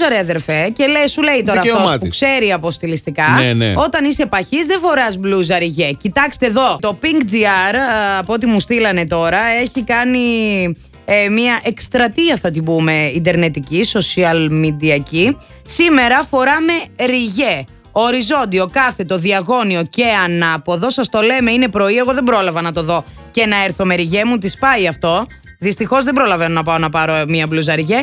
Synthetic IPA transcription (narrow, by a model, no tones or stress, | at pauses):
ɐɾiɐðeɾfece̞lesuleit̪o̞ɾɐtoootpukse̞ɾiɐpo̞st̪ilist̪ikɐnenḛo̞t̪ɐnisepɐçizðefo̞ɾɐzbluzɐɾiʝe̞cit̪ɐkst̪eðo̞t̪o̞piŋɡd͡ziɐɾɐpoot̪̬imust̪ilɐne̞t̪o̞ɾɐe̞çikɐni | miɐʔe̞kst̪ɾɐt̪iɐθɐt̪ibume̞ind̪e̞ɾne̞t̪iciso̞siɐlmid̪iɐci | sime̞ɾɐfo̞ɾɐme̞ɾiʝe̞ | oːɾizo̞nd̪io̞kɐθe̞t̪o̞ðiɐɣo̞nio̞ce̞ɐnɐpo̞ðo̞sɐst̪o̞le̞me̞ine̞pɾo̞ie̞ɣo̞ðembɾo̞lɐvɐnɐt̪o̞ðo̞ | ce̞nɐeɾθo̞me̞ɾiʝe̞mut̪ispɐiɐft̪o̞ | ðist̪ixo̞zðembɾo̞lɐveno̞nɐpɐonɐpɐɾomiɐbluzɐɾʝe